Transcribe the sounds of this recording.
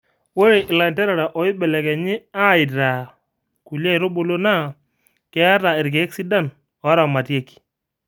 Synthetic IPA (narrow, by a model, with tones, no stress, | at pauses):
wo˦ɾe˨ʔɪ˨la˨ntɛ˦ɾa˨ɾa˨ʔɔ˨ɪ˦bɛ˨lɛ˨kɛ˨ɲɪ˦a˦˨ɪ˨ta˨ | ku˨la˦˨ɾo˦bo˦lo˦na˦˨ | kɛ˦a˦ɾa˨ɪ˨ɾk̬e˨˦ksi˦da˦n | ɔ˨˦ɾa˨ma˨tje˦ki̥˨